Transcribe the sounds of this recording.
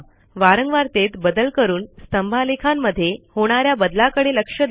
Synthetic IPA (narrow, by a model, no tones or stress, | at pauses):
ʋaɾəŋɡʋaɾt̪et̪bəd̪əlkəɾuːnst̪əmbʱalekʰamːəd̪ʱːjehoɽ̃aɾjabəd̪lakəɽeləkʂəd̪